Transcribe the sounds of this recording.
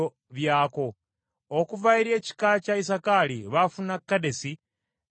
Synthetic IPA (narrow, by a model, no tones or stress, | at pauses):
o | βjaːko̞ | okuvaiɾe̞ːci̥kacaisakaliβafunakːadesi